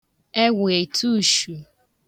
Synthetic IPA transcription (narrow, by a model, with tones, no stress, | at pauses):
e˦we˨tʰu˦˨ʃu˨